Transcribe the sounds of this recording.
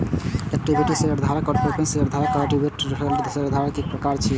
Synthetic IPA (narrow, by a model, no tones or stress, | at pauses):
ɛk̚ʈibʱiʈiseəɾd̪ʱaɾakɔɾpepenseəɾd̪ʱaɾakaʈibʱeʈɾɔɦeld̪seɾd̪ʱaɾəkek̚pɾəkaɾt͡ʃʰi